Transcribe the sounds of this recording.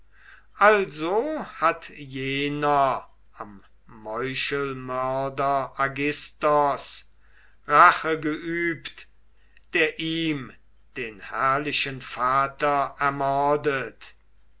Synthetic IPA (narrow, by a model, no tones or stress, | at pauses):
ʔalzohatjeːnɐ | amː | ɔʏʃəlmœɐdɐaɡɪstɔs | ʁaχəɡəʔyːpt | d̥eːɐʔiːm | d̥eːnhɛɐlɪʃənfaːtɐɛɐmɔɐdət